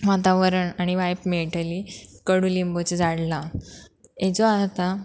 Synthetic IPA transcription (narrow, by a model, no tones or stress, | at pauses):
ʋat̪aʋəɾəɳaɽ̃iʋajpmeʈəlikəɽuːlimbot͡sed͡zaɽla | ed͡zoat̪a